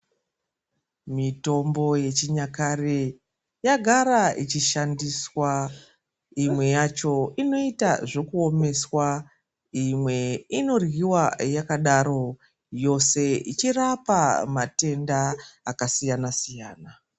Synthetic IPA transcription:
mito̞mbo̞je̞t͡ʃiɲakare | jaɡʱaɾait͡ʃiʃandiswa | imwe̞jat͡ʃo̞ino̞itaʐo̞kuo̞me̞swa | imwe̞ino̞rwiwajakaɗaɾo̞ | jo̞se̞it͡ʃirapamate̞ndaːkasijanasijaːna

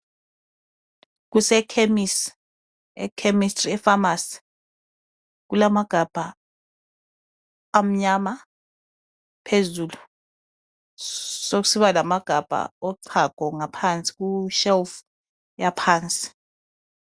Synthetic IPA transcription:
k̬usɛkʰemis | ɛ̰kʰemistʼriɛfamasi̥ | k̬ulamaɡ̥ʱab̥ʱa | m̩ɲama | pʰezuːlu | sok̬u̥siβalamaɡ̥ʱab̥ʱa̰ɔǀʰaɡ̥ʱɔŋapʰant͡sʼi̥k̬uʃɛlf | japʰaːnt͡sʼi̥

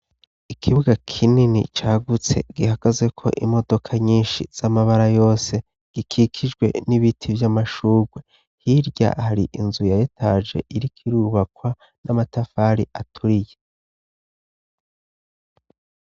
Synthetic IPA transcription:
ikʰiβuɡakʰininḭt͡ʃaːɡut͡se̞̰ɡ̥ihaɡ̥azɡe̞kʰo̞̰ʔimo̞do̞kʰaɲiːnʃiz̥amaβaɾajo̞ːse̞ | ɡ̥ikʰikʰid͡ʒɡwe̞̰niβitʰivjamaʃuːɡwe̞ | hiɾɟa̰haɾiʔinzujajetʰad͡ʒe̞̰ʔiɾikʰiɾuβakwa | namatafaɾiʔatʰuɾije

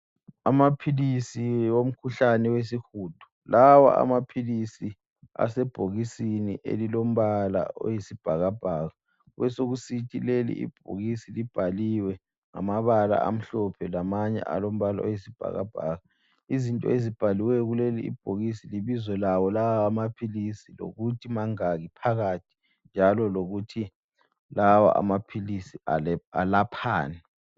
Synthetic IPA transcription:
amapʰilisiwom̩kʰuɬanɛwes̬ixuːd̥ʱu̥ | lawa̰ʔa̰mapʰilisi | a̰sɛb̥ʱoɣisiniʔḛlilom̩βala̰o̰jesib̥ʱaɣab̥ʱaːɣa | wɛsoɣusitʰʼilelḭḭb̥ʱo̰ɣisilib̥ʱaliwɛ | ŋa̰maβala̰a̰m̩ɬɔpʰɛlamaɲɛ̰ʔa̰lom̩βala̰ojisib̥ʱa̰ɣa̰b̥ʱa̰ɣa | izintʼɔ̰ezib̥ʱaliwɛjɔɣuleliḭb̥̚ʱoɣisiliβizɔlawɔlawaːmapʰilisilo̰ɣutʰimaŋaɣipʰaɣatʰi̥ | nd͡ʒʱalɔloɣutʰi | lawa̰ʔa̰mapʰilisiaa̰lapʰa̰ːnɛ

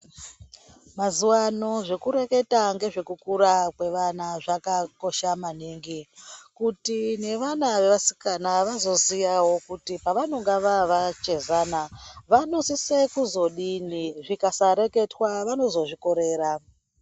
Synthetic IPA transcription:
mazuwano̞ʐe̞kuɾe̞ke̞taŋɡe̞ʐe̞kukuɾakwe̞ʋanaʐakako̞ʃamaniŋɡikutine̞ʋanaʋe̞ʋasi̥kanaʋazo̞zijawo̞kutipaʋano̞ŋɡaʋaʋat͡ʃe̞zanaʋano̞sisekuzo̞ɗiniʐikasaɾe̞ke̞twaʋano̞zo̞ʐiko̞ɾe̞ːɾa

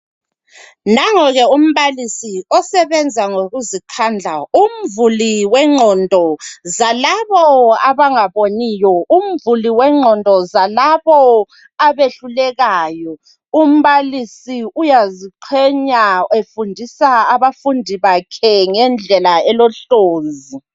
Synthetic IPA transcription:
naŋɔɣɛum̩βalisiɔsɛβɛnd͡zʱaŋoɣuzikʰand͡ɮʱaum̩vuliwɛŋ͡ǀʱɔndʱɔzalaβɔaβaŋaβonijɔum̩vuliwɛŋ͡ǁʱɔndʱɔzalaβɔ | aβeɬulɛɣaːjɔ | um̩βalisiujaziǃʰɛɲaefundʱisaːβafundʱiβakʰɛŋɛnd͡ɮʱɛlaɛlɔɬoːnzi

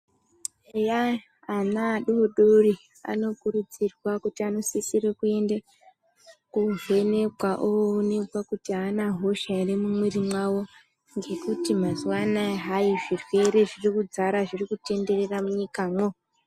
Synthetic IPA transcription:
ejaː | naɗuɗori | a̰no̞kurud͡zirwakutiano̞sisirekue̞nde | kuve̞ne̞kwaʔoːne̞kwakutiaːnaɦo̞ʃairemumwirimwawo̞ | ŋɡe̞kutimazuwanaɦaiʐirwe̞ɾe̞ʐirikud͡zaɾaʐirikute̞nde̞re̞ramuɲikaːmwo

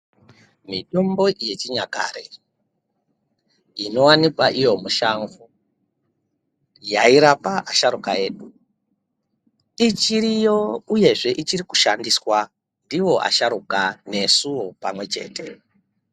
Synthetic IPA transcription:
mito̞mbo̞je̞t͡ʃiɲaka̰ɾḛ | ino̞wanikwaʔijo̞muʃaŋɡu | jaiɾapaʔaʃaɾukaje̞ːɗu | it͡ʃiɾijo̞uje̞ʐe̞ʔit͡ʃiɾiku̥ʃandiswa | ndiwo̞ʔa̰ʃaɾukane̞suwopamwe̞t͡ʃe̞̰ːtʰe̞

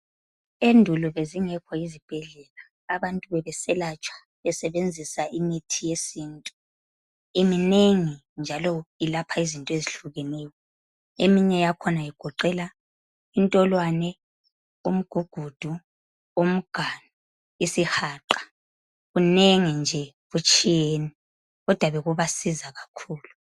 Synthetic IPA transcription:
endʱuluβeziŋɛkʰɔizib̥ʱɛɮɛlaːβantʼuβɛβɛsɛlat͡ʃʼʰwḁ | ɛsɛβend͡zʱisaʔimitʰijesiːntʼu | imineŋi | nd͡ʒʱalɔilapʰaizintʼɔeziɬuɣɛnɛːjɔ | emiɲɛjakʰɔnaiɡ̥ʱɔǃɛla | intʼɔlwanɛ | um̩ɡ̥ʱuɡ̥ʱud̥ʱu | um̩ɡ̥ʱanu | isixaːǃḁ | ɣuneŋind͡ʒʱɛ | ɣut͡ʃʼijeni | ɣɔd̥ʱwaβɛɣuβasizaɣakʰuːlu

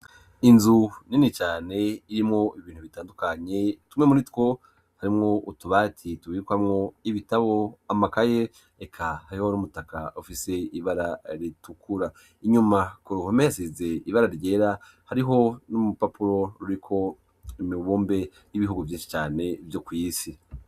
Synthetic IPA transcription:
inzuninit͡ʃaːne̞iɾimŋo̞ʔiβiːn̥uβitaːndukaɲe̞tumŋemuɾitwo̞ | haɾimŋo̞ʔutuβaːtʰituβikwamŋo̞iβitaβo̞amakaje̞ | ekʰahaɾiho̞numutaka̰ufise̞iβaɾaɾitukʰuɾa | iɲumakoɾuhomejasize̞iβaɾaɾɟeɾa | haɾiɦo̞numupapuɾo̞ɾuɾikʰo̞ | imiβuːmbe̞ | jiβiɦuɡuvjiːnʃi̥t͡ʃaːne̞vjokwiːsi

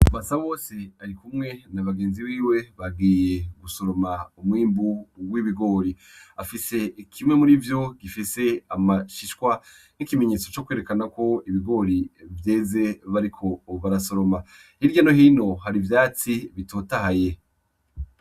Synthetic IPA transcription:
βasawo̞ːse̞aɾikumŋe̞naβaɡe̞ːnziβiːwe̞βaɡiːje̞ɡuso̞ɾo̞maumwiːmbuwiβiɡo̞ːɾi | afise̞ikʰimŋe̞muɾivjo̞ɡifise̞amaʃiʃkwa | nikime̞ɲe̞ːt͡so̞t͡ʃokweːɾekanako̞iβiɡo̞ɾivje̞ːze̞βaɾikʰo̞βaɾaso̞ɾo̞ma | hiɾɟano̞hiːno̞ɦaɾivjaːt͡siβitʰo̞ːtahaje̞

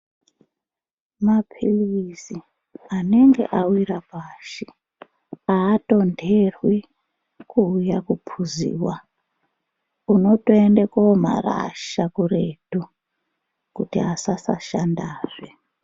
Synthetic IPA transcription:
mapʰilisi | ane̞ŋɡe̞̰ʔawiɾapaːʃi | aːto̞ndʱerwi | kuːjakupʰuzḭːwa | uno̞to̞endekama̰ra̰ʃakuretu | kutiasasa̰ʃandaːʐe

